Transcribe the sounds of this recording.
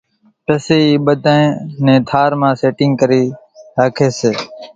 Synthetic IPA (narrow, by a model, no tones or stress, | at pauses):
t̪əseːiːɓəd̪ʱãːẽːnẽːt̪ʰaːɾmãːseːʈɪ̃ŋɡkəɾiː | ɾaːkʰeːseː